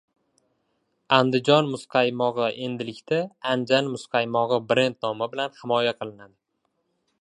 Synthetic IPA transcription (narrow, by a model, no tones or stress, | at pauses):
and̪ɪd͡ʒɒnmʊsqʰɑjmɒʁɨʔe̞nd̪ɪlɪkʲt̪aand͡ʒanmʊsqʰɑjmɒʁɨbɾe̞nt̪nɒmɪbɪlanhɪmɒjaqʰɨlˠɪnad̪ɪ